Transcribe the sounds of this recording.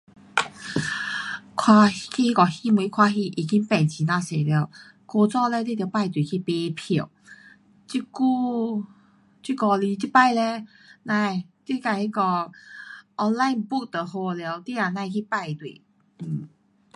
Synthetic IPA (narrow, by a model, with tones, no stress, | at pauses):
kʰwa˧kʰi˧hi˦˧kɔ˨˧hi˦mwi˧˦kʰwa˧ɦi˧ʔi˨˩ki˦ŋpɛ˨˩nt͡ɕi˨nã˧se˨˩lje˧˩˨ | ko˧t͡sɔ˥˧lɛ˧t̪e˦˥t̪jpa˥˧jt̪wi˨˩kʰi˧pe˧pʰi˨ | t͡ɕi˧ku˦˧ | t͡ɕi˦˥kɔ˧li˧t͡ɕi˧˦pa˥˧jlɛ˧ | nã˧˨t̪i˧˦ka˧˩hi˦˧kɔ˧ | ʔɔ˧nla˧jbu˥˧k̚t̪ə˨ho˧˩lja˧wt̪i˦a˧˨nã˧i˧kʰi˧pa˥˧jt̪wḭ˨ | m̩˨˩